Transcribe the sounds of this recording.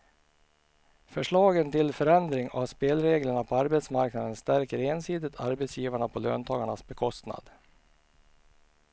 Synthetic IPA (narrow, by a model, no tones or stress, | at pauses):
fœʂɭɑːɡənt̪ʰɪlfœɾɛnd̪ɾɪŋa̰vspeːlɾeːɡləɳapʰɔaɾbɛt̪smaɾknad̪ənst̪æɾkəɾeːnsiːd̪ət̪ʰa̰ɾbɛt̪sjiːvaɳapʰɔløːnt̪ʰɑːɡaɳasbɛkʰɔst̪na̰d̪